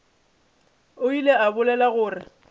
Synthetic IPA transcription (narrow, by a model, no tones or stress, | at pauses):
ʊileabʊlɛlaɣʊːrɪ